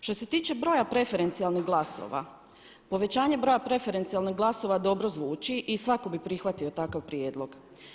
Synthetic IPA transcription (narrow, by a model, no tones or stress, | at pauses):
ʃt̪o̞se̞t̪iːt͡ʃe̞bɾo̞japɾe̞fe̞ɾe̞nt̪sialˠniɣɡlˠaso̰ʋa̰ | po̞ʋe̞t͡ɕaːɲe̞bɾo̞japɾe̞fe̞ɾent̪sialˠniɦɡlˠaso̞ʋad̪o̞bɾozʋuːt͡ʃiʔisʋako̞bipɾixʋat̪io̞t̪akaʋpɾjeːd̪lo̞ɡ̥